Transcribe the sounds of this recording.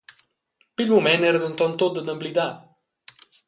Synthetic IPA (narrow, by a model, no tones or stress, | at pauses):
pilmumɛnɛɾəd̪unt̪ɔnt̪ot̪̚d̪əd̪əmblid̪a